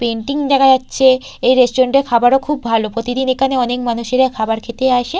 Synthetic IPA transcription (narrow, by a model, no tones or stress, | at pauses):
peɳʈiŋd͡ʑaɡad͡ʑat̪ːɕʰe | ejɾesʈoɾeɳʈeɾkʰabaɾokʰubbʱalopɾot̪id̪inekʰaneɔnekmanuʃeɾakʰabaɾkʰet̪eaʃe